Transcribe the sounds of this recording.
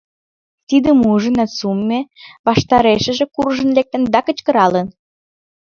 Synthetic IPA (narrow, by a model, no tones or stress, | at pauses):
t̪id̪əmuʒənəsumːeβɑʃt̪ɑɾeʃə̆ʒĕkurʒə̆nlek̚t̪ə̆nd̪ɑkə̆t͡ɕkə̆ɾɑlən